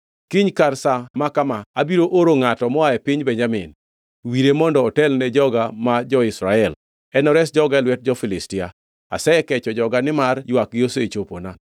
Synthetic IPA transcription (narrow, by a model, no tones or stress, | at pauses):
kiɲkarsamakamaabiɾoʔoɾoŋatɔmɔaɛpɪɲbɛɲd͡ʒamɪ̰n | wiɾemɔndɔːtɛlnɛd͡ʒɔɡamad͡ʒɔɪsɾaɛl | ɛnɔɾɛsd͡ʒɔɡalwɛt̚d͡ʒɔfɪlɪstɪa | a̰sɛɛkɛt͡ʃɔd͡ʒɔɡanɪmarjwak̚ɡɪoset͡ʃopona